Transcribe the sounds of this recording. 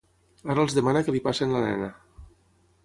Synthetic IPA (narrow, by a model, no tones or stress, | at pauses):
aɾəlˠzðəmanakəlipasenlanɛ̰na